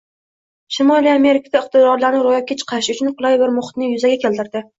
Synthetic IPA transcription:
ʃɪmɒlˠijame̞ɾɪkʰad̪aɪqt̪ɪd̪ɒɾlaɾnɪɾojap̚kʰʲat͡ʃʰqʰɑɪʃʊt͡ʃʰʊnqʊlˠajbɪɾmʊχɪ̥t̪nɪjʊzaɡʲakʲʰe̞lt̪ɪɾd̪ɪ

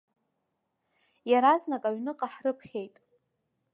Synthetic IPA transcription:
jaɾaznakʼaɥnɨqʼaħrɨpʰχʲe̞jtʼ

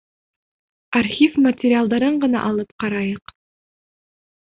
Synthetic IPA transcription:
arχʲifmɐtʲɪɾʲɪalˠd̪ɑɾɤɴɢɤ̆nɑ̰ʔɑlˠɤpqɑɾɑjɤq

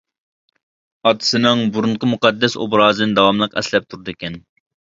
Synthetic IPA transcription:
ɑt̪ʰɨ̥sɨnɨŋbuɾuɴqʰəmuqʰɑd̪ːɛso̰bɾɑːzɨnɨd̪ɑwɑmlˠəqɛ̰slɛp̚t̪ʰuɾd̪ɨkʲɛn

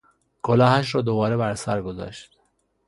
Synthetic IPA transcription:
kʰolɒːhæʃ̬ɾɒːd̪obɒːɾebæɾsæɾɡozɒ̰ʃt̪

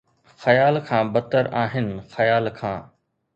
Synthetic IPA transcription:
xɐjaːlkʰãːbɐt̪əɾaːɦɪnɪ̆xɐjaːlkʰãː

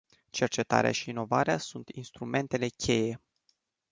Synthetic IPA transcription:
t͡ʃe̞rt͡ʃe̞t̪a̰ɾea̰ʃiːno̞vaɾeasunt̪inst̪ɾume̞nt̪e̞le̞kʲʰe̞je̞

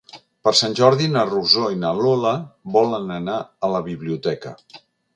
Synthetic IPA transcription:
pəɾsanʲʒɔɾðinəruzoinəloləβɔlənənaələβiβliut̪ɛkə̰

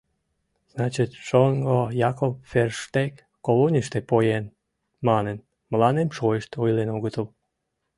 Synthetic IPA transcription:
z̥nɑt͡ɕit̪ʃoŋɡojɑkopferʃt̪ek | kːolonʲiʃt̪epojen | mɑnen | mlɑnemʃoeʃt̪ojlenoɣət̪əl

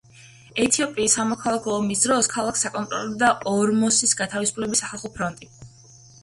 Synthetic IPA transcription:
ɛt̪ʰiɔpʼiːsːamɔkʰalˠakʰɔːmisd̪ɾɔskʰalˠaksakʼɔnt̪ʼɾɔ̰lɔd̪aɔɾmɔsisɡat̪ʰavisu̥pʰlɛbisːaχalˠχɔpʰɾɔnt̪ʼi

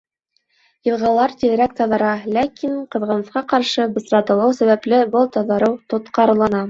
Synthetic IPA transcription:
jɤ̆lˠʁɑlˠɑɾt̪ʲiðɘ̆ɾæk̚t̪ɑðɑ̆ɾɑlækʰiɴqɤ̆ðʁɑ̆nɤ̆θqɑqɑɾʃɤbɤ̆sɾɑt̪ɤ̆lˠɤwsæβæplɘbɤlˠt̪ɑðɑɾɤwt̪ŏt̪qɑɾlˠɑnɑ

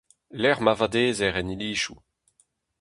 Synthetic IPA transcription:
lɛʁmavad̪eːzɛʁɛniliːʃu

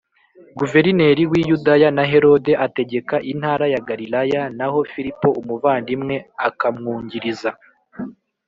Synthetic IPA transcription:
ɡuve̞ɾine̞ɾiwijudajanaɦe̞ɾo̞de̞ʔate̞ɟe̞kaʔin̥haːɾajaɡaɾilajanaho̞fiɾipo̞ʔumuvaːndimŋe̞akamŋuːɲɟiɾiza

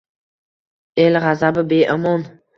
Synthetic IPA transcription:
elʁazabɪbeʔɪmɔn

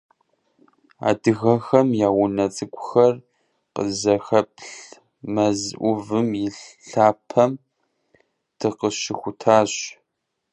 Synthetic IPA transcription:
a̰ːdɨɣɐxɐmjaːwʊnɐt͡sʼɨkʷʼʊxɐr | qə̰zɐxɐpʰɬ | mɐzʔʷʊvɨmjɪɬɬaːpʰɐm | tʰɨqəʃɪxʷʊtʰaːɕ

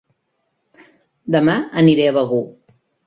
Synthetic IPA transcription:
d̪əmaəniɾɛβəɣu

